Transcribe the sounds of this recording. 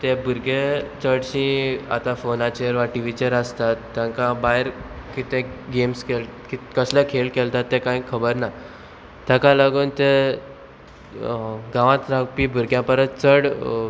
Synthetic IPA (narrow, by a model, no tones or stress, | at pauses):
t̪ebʱuɾɡet͡səɽɕĩa̰t̪ãfonat͡ɕeɾʋaʈiʋit͡ɕeɾəst̪at̪ːjãŋkabaɦɾkit̪ẽɡemskelkikəsləkʰelkɛlt̪at̪ːɛkãjkʰəbəɾna | t̪jakalaɡuːnt̪e | ɡãʋãt̪ɾapiːbʱuɾɡjãpəɾət̪t͡səɽ